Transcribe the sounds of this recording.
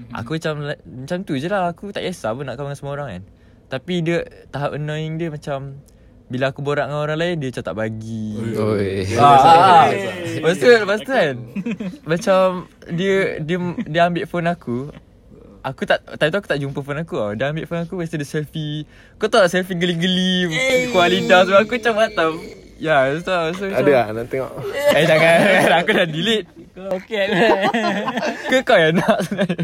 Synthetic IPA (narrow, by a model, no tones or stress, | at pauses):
a̰kuat͡ʃamlamat͡ʃamt̪ud͡ʒəlahakut̪a̰ʔjasa̰bənaʔkaŋansəmoɾaŋa̰n | t̪apidət̪aɦapənõiŋdiəmat͡ʃam | bilaːkuboɾaʔŋanoɾaŋlaɪndiət͡ʃat̪a̰ʔbaɡio | mast̪ubast̪uanmat͡ʃamdiədiədiəambɪʔfonaku | akut̪aʔt̪ait̪uaku̥t̪aʔd͡ʒumpəfonakuadiəambɪʔfonakuwəst̪udəsɛlfi | akot̪aaʔsɛlfiɡliɡəlimkualidas̬ubaakut͡ʃamat̪am | jast̪uaʔmast̪uadəanaʔt̪eŋɔʔad͡ʒakaanakudadilɪt̪̚ | oke | kəkawjanaʔsa